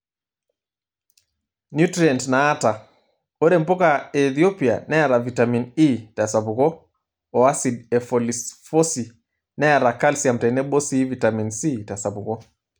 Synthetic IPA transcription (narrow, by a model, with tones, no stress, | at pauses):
njutɾiantnaː˦ta˨ | o˦ɾɛ˨m̩pɔ˦kaɛθio˦pia̰nɛ˦a˨ɾa˨vi˨tamini˦ta˨sabu˨ɣɔ˦ | ɔ˨a˦sidɛ˨fɔlisfɔ˦si˨ | nɛ˦ja˨ɾa˨ka˦lsiam̩tɛ˨nɛ˦ɓɔ˦siː˦vitaminsi˦ta˨sa˨bu˨ɣɔ˦